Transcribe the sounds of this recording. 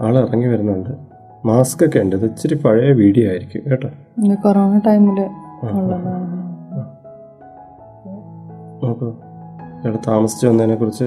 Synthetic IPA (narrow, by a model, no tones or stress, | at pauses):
aːɭɨirɐŋɡiʋɐɾunːɐɐɳɖɨ | maːskɐkːeɳɖɨɐðɨt͡ɕːɐɾipɐɻɐjɐʋiːɽijoaːjiɾikʲːṵmʋeːʈːɐ | d̪korɐnɐʈɐjmilɨaːɐɭːɐlːɐ | ɐpːo | ʋɽet̪aːmɐsi̥t͡ɕːɨʋɐnːt̪ɐnːeːkːurit͡ɕːɨ